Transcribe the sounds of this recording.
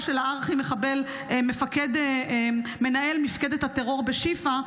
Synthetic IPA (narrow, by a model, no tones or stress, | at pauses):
ʃelaaʁaχimeχabelmefaked̪e | me̞naʔe̞lmifked̪et̪hat̪eʁo̞ʁbeʃifa